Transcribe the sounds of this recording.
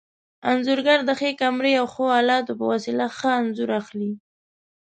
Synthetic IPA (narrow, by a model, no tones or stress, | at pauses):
anzʊɾɡaɾd̪əxekamɾeawxoɑlɑt̪opəwasilaxəanzuɾaxli